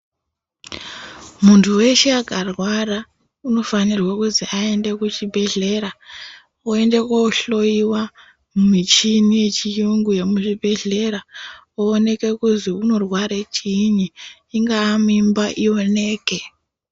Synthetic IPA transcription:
muntʰuwe̞ʃeakarwara | uno̞fanirwakuziʔae̞nde̞kut͡ʃibʱe̞ɮe̞ɾa | oe̞nde̞koɬo̞iwa | mumit͡ʃinije̞t͡ʃijuŋɡuje̞muʐibʱe̞ɮe̞ɾa | oone̞ke̞kuziuno̞rwaɾet͡ʃiɲiː | ŋɡaːmimbaʔio̞ne̞ːke

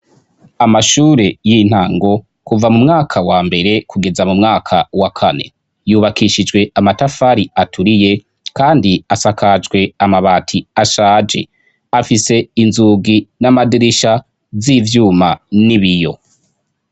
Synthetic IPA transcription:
amaʃuːɾe̞jin̥haːŋɡo̞ | kuvamumŋaːkʰawaːmbe̞ɾe̞kuɡe̞zamumŋaːkʰawakʰane̞̰ | juːβakʰiʃid͡ʒɡwe̞amatafaɾiatʰuɾije̞ | kaːndiasakad͡ʒɡwe̞amaβaːtʰiaʃaːd͡ʒe̞̰ | afise̞inzuːɡinamadiɾiʃa | ziːvjuːmaniβijo̞̰

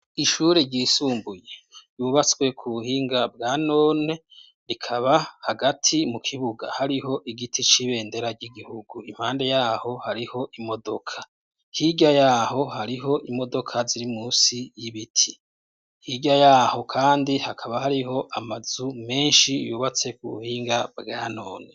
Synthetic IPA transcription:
iʃuɾeɾɟiːsuːmbuje̞juβat͡swe̞kʰuβuhiːŋɡab̚ɡaːno̞ːne̞ | ɾikʰaβahaɡatʰimukʰiβuɡa̰haɾiho̞ʔiɡitʰit͡ʃiβe̞ːnde̞ɾaɾɟiɡihuɡuim̥haːnde̞jaːho̞haɾiho̞ʔimo̞do̞kʰḁ | hiɟajaːɦo̞haɾiɦo̞ʔimo̞do̞kʰaziɾimuːsijiβitʰi | hiːɟajaːho̞kʰaːndihakʰaβahaɾiɦo̞ʔamaz̥ume̞ːnʃijṵːβat͡swe̞kuβṵhiːŋɡabɡaːno̞̰ːne̞

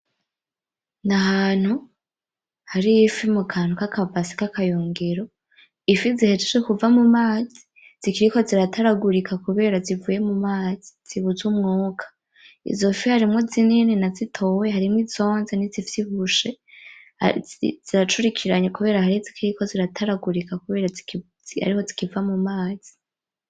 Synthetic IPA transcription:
naɦaːn̥hu | haɾijifimukʰaːn̥hukakʰavasi̥kakʰajuːŋɡiɾo̞ | ifizihed͡ʒeʃekuvamumaːzi | z̥ikiɾiko̞ziɾatʰaɾaɡuɾikʰakuβe̞ːɾazivuje̞mumaːziz̥iβuzumŋuːkʰḁ | ḭzofihaɾimŋo̞zininenazitʰo̞wehaɾimŋwizo̞ːnzenizivjihuʃe̞ | ha̰z̥iɾat͡ʃuɾikʰiɾaɲekuβe̞ːɾahaɾizikʰiɾiko̞ziɾatʰaɾaɡuɾikakuβe̞ːɾai | a̰ɾiho̞zikivamumaːz̥i̥

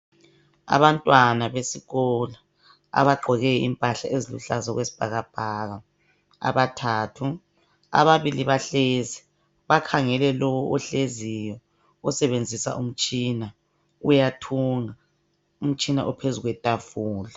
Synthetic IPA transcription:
a̰βantʼwanaβesiɣɔla | a̰βaɡ͡ǃʱɔɣɛimpʼaɬaʔezilṵɬazɔɣwesi̥b̥ʱaɣab̥ʱaɣa | a̰βatʰaːtʰu | a̰βaβiliβaɬezi | βakʰaŋɛlɛlɔwɔʔɔɬezijɔ | ɔsɛβend͡zʱisa̰ʔum̩t͡ʃʼina | ujatʰuŋa | um̩t͡ʃʼina̰ʔɔpʰezuɣwɛtʼafuːla

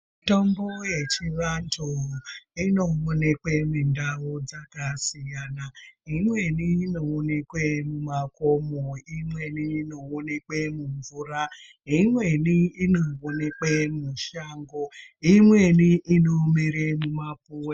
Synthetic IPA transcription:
tɔm̩bojet͡ʃiβan̩toɦoinowonek͡pemin̩dawod͡zakasijanaiŋʷeninowonekemumakomoiŋʷeninowonek͡pemuɱ̩vuɾa | iŋʷweniinowonek͡pemuʃaŋɡɔiŋʷeniʔinomeɾemumapu

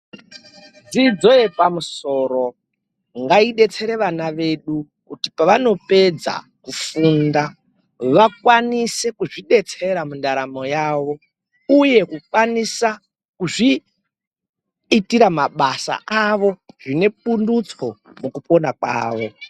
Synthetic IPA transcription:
d͡zid͡zo̞jepamuso̞ɾo̞ | ŋɡaiɗe̞t͡se̞ɾe̞ʋanaʋe̞ɗu | kutipaʋano̞pe̞d͡za̰ | kufunda | ʋakwanise̞kuʐiɗe̞t͡se̞ɾamundaɾamo̞jaːʋo̞ | uje̞kukwanisa | kuʐi | tiɾamaɓasa̰ʔaʋo̞ʐine̞p̚undut͡so̞ | mukupo̞nakwa̰ːʋo̞

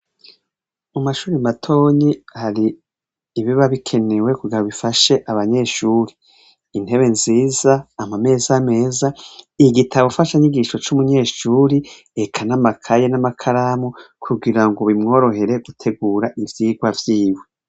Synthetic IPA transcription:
umaʃuːɾimatʰo̞ːɲihaɾiː | βiβaβikʰe̞newe̞kuɡiɾaβifaʃe̞ʔaβaɲe̞ːʃuːɾi | in̥he̞βe̞nziːzaːmame̞ːzame̞ːzaiɡitʰaβofaʃaɲiɡiʃo̞t͡ʃumuɲe̞ːʃuːɾi | ekʰanamakʰajenamakʰaɾamukʰuɡiɾaŋɡoβimŋo̞ːɾo̞ɦe̞ɾe̞ɡutʰe̞ɡuːɾaʔivjiːɡwavjiːwe

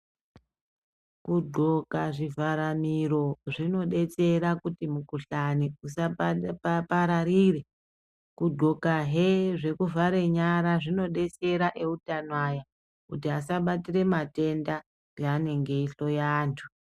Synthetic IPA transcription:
kuɡ͡ǃʱo̞kaʐivaɾamiɾo̞ʐino̞ɗe̞t͡se̞ɾakutimukuɬaniusaapaɾaɾire̞ | kuɡ͡ǃo̞kaɦeʐe̞kuvaɾe̞ɲaɾaʐino̞ɗe̞t͡se̞ɾaʔe̞utanwaja | kutiasaɓatire̞mate̞nda | deane̞ŋɡe̞iɬo̞jaːntʰu̥

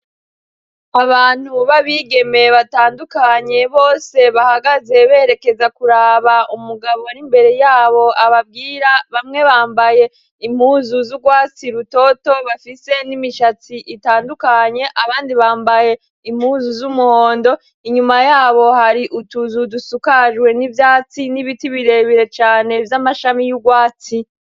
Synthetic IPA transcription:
aβaːn̥huβaβiːɡe̞meβataːndukaɲe̞βo̞ːse̞βahaɡaze̞βe̞ːɾe̞ke̞zakuɾaːβaʔumuɡaβo̞nimbe̞ɾe̞jaːβo̞aβab̚ɡiːɾaβamŋe̞βaːmbaje̞ | im̥huːzuzuɡwaːt͡siɾuto̞to̞βafise̞nimiʃat͡siʔitaːndukaɲe̞ʔaβaːndiβaːmbaje̞ | im̥huːzuzumuho̞ːndo̞ | iɲumajaːβo̞haɾiʔutuzudusukaʒwe̞nivjaːt͡siniβitiβiɾe̞βiɾe̞t͡ʃaːne̞vjamaʃamijuɡwaːt͡si

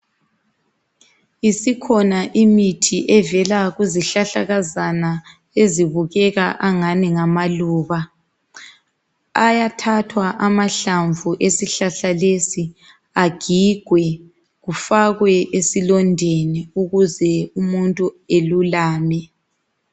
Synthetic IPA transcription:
isikʰɔnaʔimitʰiʔɛvɛlaɣuziɬaɬaɣazana | eziβuɣɛɣaʔaŋaniŋamaluːβa | ajatʰatʰwaʔamaɬaɱvuʔesiɬaɬalesi | aɡ̥ʱiɡ̥ʱwɛ | ɣufaɣwɛʔesilɔndʱeniuɣuzɛumuntʼuelulaːmɛ

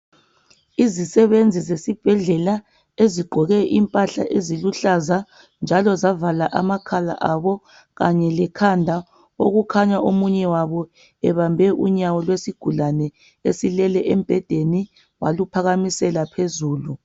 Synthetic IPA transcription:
izisɛβend͡zʱizesib̥ʱɛɮɛla | eziɡ͡ǃʱɔɣɛʔimpʼaɬa̰ʔeziluɬaza | nd͡ʒʱalɔzavalaʔamakʰala̰ʔaβɔ | ɣaɲɛlɛkʰandʱa | o̰ɣukʰaɲaʔomuɲɛwaβɔ | ɛβambʱɛʔuɲawɔlwesiɡ̥ʱulanɛ | esilɛlɛʔemb̥ʱɛd̥ʱeni | wa̰lupʰaɣamisɛlapʰezuːlu

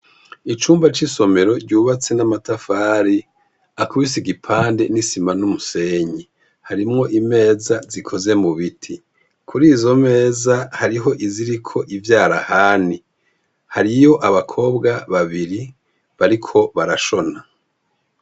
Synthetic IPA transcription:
it͡ʃuːmbat͡ʃiso̞me̞ɾo̞ɾɟuːβat͡se̞namatafaːɾi | akuβisiɡipʰaːndenisimanumuse̞ːɲi | haɾimŋo̞ʔime̞ːzazikʰo̞ze̞muβitʰi | kʰuɾiːzo̞me̞ːzahaɾiɦo̞ʔiziɾikʰo̞ʔivjaːɾahaːni | haɾijo̞ʔaβakʰo̞ːbɡaβaβiɾi | βaɾikʰo̞βaɾaʃo̞na

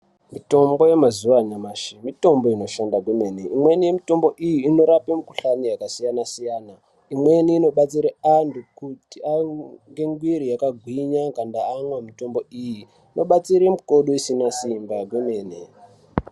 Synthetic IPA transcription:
mito̞mbo̞je̞mazuʋanamaʃimito̞mbo̞ino̞ʃandaɡweme̞ne̞imwenijemito̞mbo̞ʔijiːno̞ɾapemiku̥ɬanijakasijanasijaːna | imwe̞niːno̞ɓat͡siɾeantukutiaŋɡe̞ŋɡwiɾijakaɡʱwiɲaŋɡandaːŋwamito̞mbo̞ijiː | no̞ɓat͡siɾemiko̞ɗoisinasimbaɡweme̞ːnḛ

